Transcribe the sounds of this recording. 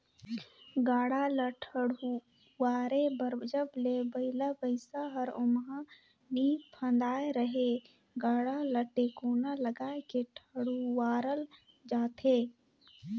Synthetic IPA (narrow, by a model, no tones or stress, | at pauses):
ɡaːɽaləʈʰəɽu | waːɾebəɾd͡ʒəblebəɪlabəɪsaɦəɾʊmɦa | bʱipʰə̃nd̪aːeɾəɦe | ɡaːɽaləʈekoːnaləɡaːekeʈʰəɽuwaːɾəl | d͡ʒaːt̪eː